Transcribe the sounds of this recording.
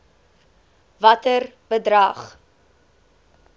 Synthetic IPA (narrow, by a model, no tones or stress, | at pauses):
vɐtər | bədrɐχ